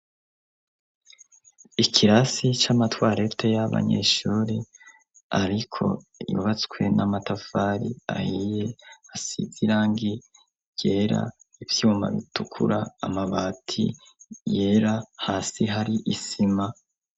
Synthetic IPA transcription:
ikʰiɾasit͡ʃamatwaːɾetʰejaβa̰ɲḛːʃuːɾe | aɾikʰo̞̰ | jṵβat͡skwe̞namatafaɾia̰hije̞asḭziɾaːŋɡi | je̞ːɾa̰ivjuːma̰βḭtukʰṵɾaːmaβaːtʰḭ | je̞ːɾahaːsiɦaɾiʔisima

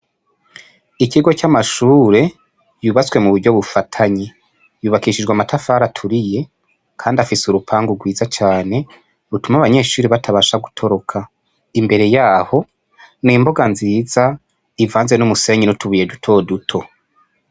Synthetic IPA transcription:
iciɡo̞t͡ʃamaʃuːɾe̞ | juːβat͡swe̞muβuɾɟo̞βufatʰaɲi | juːβakiiʃid͡ʒɡwamatʰafaːɾatʰuɾije̞ | kʰaːndiafisuɾupʰaːŋɡuɡwiːzat͡ʃaːne̞ | βutumaβaɲe̞ːʃuːɾiβatʰaβaʃaɡu̥tʰo̞ɾo̞kʰa | imbe̞ɾe̞jaːho̞ | niːmbo̞ɡanziːza | ivaːnzenumuse̞ːɲinutuβuje̞dutʰo̞dutʰo̞

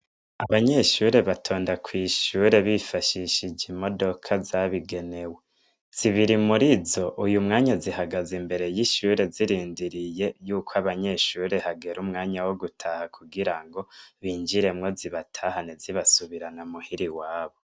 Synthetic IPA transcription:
aβaɲe̞ʃuɾe̞βatʰo̞ːndakʰwiːʃuɾe̞βifaʃiʃid͡ʒimo̞do̞kʰazaβiɡe̞ne̞we | z̥iβiɾimuɾizo̞ʔujumŋaːɲazihaɡazimbe̞ɾe̞jiʃuɾe̞ziɾiːndiɾije̞juːkʰwaβaɲe̞ʃuɾe̞haɡe̞ɾumŋaːɲawoɡutʰahakʰuɡiɾaŋɡo̞βiːnd͡ʒiɾe̞mŋo̞ziβatʰahaneziβasuβiɾanamuhiɾiwaːβo̞

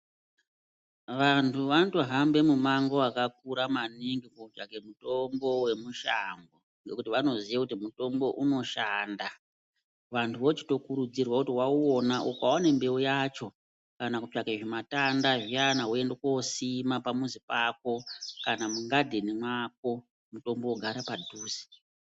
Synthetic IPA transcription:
ʋantʰuʋantoɦambe̞mumaŋɡo̞akak̚uɾamaniŋɡikod͡ʒake̞muto̞mbo̞we̞muʃaŋɡo | ŋɡe̞kutiʋano̞ziʋekutimuto̞mbo̞ʔuno̞ʃaːnda | ʋantʰuʋo̞t͡ʃi̥to̞kuɾud͡zirwakutiwauonaʔokwawane̞mbe̞ojat͡ʃo̞ | kanakud͡ʒakeʐimatandaʐianaɦue̞ndekosimapamuzipako̞kanamuŋɡadʱenimwak̚o̞ | muto̞mbooɡʱaɾapadʱuːzi̥

